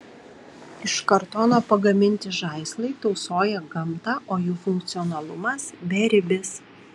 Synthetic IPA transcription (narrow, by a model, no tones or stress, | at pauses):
ɪʃkɐɾt̪oːnoːpɐɡɐmʲɪnʲt̪ʲɪʒɐɪslˠɐɪt̪ɔʊsoːjɛɡɐmt̪ɑʔoːjuːfʊŋk̚t̪sʲɪɔnɐlˠʊmɐsbʲɛɾʲɪbʲɪs